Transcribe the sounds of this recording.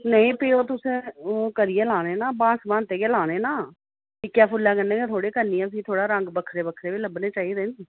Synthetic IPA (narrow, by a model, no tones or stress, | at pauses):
nəĩːpiːoːt̪ʊsẽːkəɾijeːlaːneːnaːbãːsbãːnt̪eːɡeːlaːneːnaː | ɪkjaːpʰʊlːaːkənẽːet̪ʰoːɽeːkənːiːəs̬ĩːt̪ʰoːɽaːɾəŋɡbəkʰɾeːbəkʰɾeːʋiːləbnẽːt͡ʃaːiːɾẽːniː